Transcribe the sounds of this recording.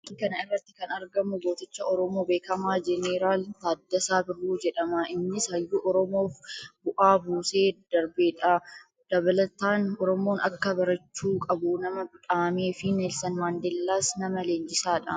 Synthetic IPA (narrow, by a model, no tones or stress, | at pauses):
kɐnɐɪrːɐt̪ːɪ̥kɐnɐɾɡɐmʊboːt̪ɪt͡ʃːɐʔɔɾɔmo̞ːbe̞ːkɐmaːd͡ʒɛneːɾaːlt̪aːd̪ːɐsaːbɪrːuːd͡ʒɛᶑɐmaʔɪnːɪshɐjːuːʔɔɾɔmo̞ːfbʊʔaːbuːse̞ːd̪̥ɐɾbeːᶑɐ | d̪̥ɐβɐlɐt̪aːnɔɾɔmo̞ːnɐkːɐbɐɾɐt͡ʃːuːkʼɐbʊnɐmɐbʊᶑaːme̞ːfɪneːlsɐnmaːnd̪elːaːsnɐmɐleːnd͡ʒɪsaːᶑɐ̰